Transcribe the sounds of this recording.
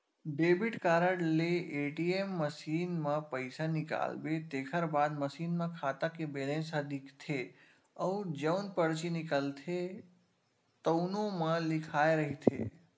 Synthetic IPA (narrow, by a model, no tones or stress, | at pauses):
ɖeːbɪʈkaːɾəɽleʔeːʈiemːəsiːnmẽpəɪsanɪka̰ːlbet̪eːkʰəɾbaːd̪məsiːnmẽkʰaːt̪akebeːlẽnsəd̪ikt̪ʰe | əʊd͡ʒəʊnpəɽt͡ʃinɪkəlt̪ʰe | t̪əʊnõmə̃lɪkʰaːeɾəɦit̪ʰḛ